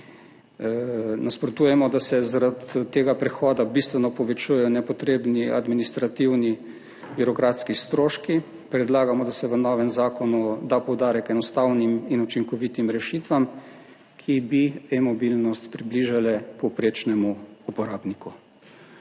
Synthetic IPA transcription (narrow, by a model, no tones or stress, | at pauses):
nʔaspɾɔt̪uːjɛmɔd̪asɛzaɾat̪ːeːɡapɾɛxɔːd̪abist̪ʋɛnɔpɔʋɛt͡ʃujɛjɔnɛpɔt̪ɾeːbniad̪minist̪ɾat̪iwni | biɾɔkɾat̪skist̪ɾoːʃki | pɾɛd̪laːɡamɔd̪asɛʋənɔːʋɛmzaːkɔnud̪apɔwd̪aːɾɛkɛnɔst̪awniminut͡ʃiŋkɔʋit̪imɾɛʃit̪ʋam | kʰibiɛmɔbilnɔst̪pɾibliʒalɛpɔpɾeːt͡ʃnɛmuupɔɾaːbniku